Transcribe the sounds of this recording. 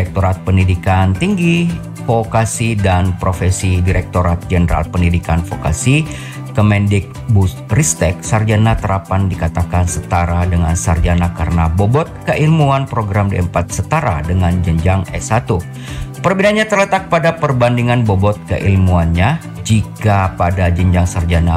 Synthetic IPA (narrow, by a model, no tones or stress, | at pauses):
ɛk̚t̪oɾat̪̚pəndidikant̪iŋɡi | fokasidanpɾofɛsidiɾɛk̚t̪oɾat̪̚d͡ʒənəɾa̰lpəndidikanfoka̰si | kəmɛndɪk̚busrist̪ɛk̚sard͡ʒanat̪əɾapandikat̪akansət̪aɾadəŋansard͡ʒanakaɾənabobɔt̪̚kəʔilmuanpɾoɡɾamdiəmpat̪̚sət̪aɾa̰dəŋand͡ʒəɲd͡ʒaŋɛ̰sat̪u | pərbinanɲat̪ərlət̪ak̚padapərbandiŋanbobɔt̪̚kə̰ʔilmuanɲa | d͡ʒikapadad͡ʒəɲd͡ʒaŋsard͡ʒana